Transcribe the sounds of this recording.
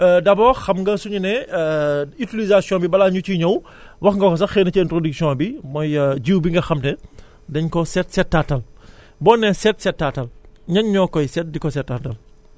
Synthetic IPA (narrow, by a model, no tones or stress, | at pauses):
dɐbɔxɐmŋɡɐsuɲunɛ | itilizasjɔ̃bibɐlaɲut͡ʃiɲɐw | wɐxŋɡɐkɔs̬ɐxɛːnːɐciɛntɾodiksijɔ̃bimɔjɟiwbiŋɡɐxɐmtɛ | dɐɲkɔsɛtsɛtːatɐl | bɔːnːɛsɛtsɛtːatɐlɲɐɲɲɔːkɔjsɛt̚dikɔsɛtːatɐl